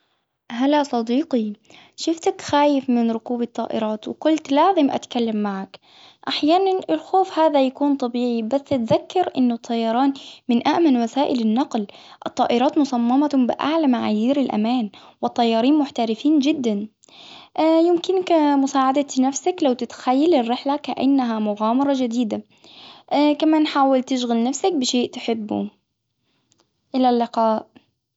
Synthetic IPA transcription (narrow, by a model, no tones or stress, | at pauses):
ɦalasˤɑd̪iːqi | ʃʊft̪akxaːjɪfmɪnɾʊkuːbɑt̪ˤːɑ̰ːʔɪ̰ɾˤɑːt̪wɪkʊlt̪laːzɪmʔa̰t̪kalːamːaʕak | ʔaħjaːnanɪlxoːfhaːðajakuːnt̪ˤɑbiːʕibasːʔat̪ðakːɑɾʔɪnːʊt̪ˤʰːɑjːɑɾˤɑːnmɪnʔaʔmanwasaːʔɪlɪnːɑqlʔɨt̪ˤːɑːʔɪɾˤɑːt̪mʊsˤɑmːɑmabɪʔa̰ʕlamaʕaːjiːɾɪlʔa̰maːn | wɪt̪ˤːɑjːɑːɾiːnmʊħt̪aɾɪfiːnd͡ʒɪd̪ːanː | jɪmkɪnkmʊsaːʕad̪anafsaklawt̪ɪt̪xajːalɪrːɪħlakaʔa̰nːaɦamʊɣaːmɑɾˤɑd͡ʒad̪iːd̪a | kamaːnħaːwɪlt̪ɪʃɣalnafsak̚bɪʃeːʔt̪ɪ̥ħɪbːṵ | ʔɪlalːɪqɑːʔ